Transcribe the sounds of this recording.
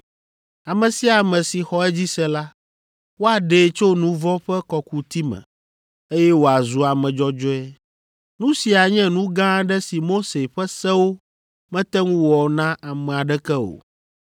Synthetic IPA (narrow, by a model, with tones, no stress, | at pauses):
a˨mɛ̃˨si˦a˨mɛ̃˨si˨xɔ˦ɛ˦d͡ʑi˦sɛ˦la˦ | wo˦a˨ɖe˨˦˨t͡ʃo˦nũ˦vɔ˦ɸɛ˦kɔ˨ku˨t̪i˦mɛ̰̃˨ | e˦jɛ˦wo˨a˨zu˨a˨mɛ̃˨d͡ʒɔ˦d͡ʒɔ˦ɛ˦ | nũ˦si˨a˨ɲɛ̃˦nũ˦ɡã˦ɖɛ˦si˨mo˦se˨ɸɛ˦sɛ˦wo˦ | mɛ̃˦t̪ɛ˦ŋũ˦wɔ˨nã˦a˨mɛ̃˨a˨ɖɛ˦kɛ˦o̰˨